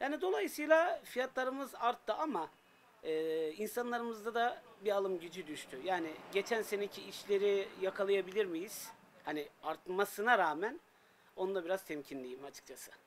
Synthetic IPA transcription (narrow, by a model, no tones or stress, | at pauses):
jaːnid̪o̞lˠajɯsɯjlˠafijat̪lˠaɾɯmɯzaɾt̪ʰːɯama | ɯːinsanlˠaɾɯmɯzd̪ad̪abialˠɯmɟid͡ʒid̪yʃt̪ʰyjaːniɟe̞t͡ʃʰænse̞necʰiːʃlʲe̞ɾijakʰalˠajabilʲiɾmijiz̥ | haniaɾt̪masɯnaɾaːmæn | o̞nud̪abiɾaz̥t̪ʰɛmcʰinlʲijimat͡ʃʰɯ̥k̚t͡ʃʰasɯ̥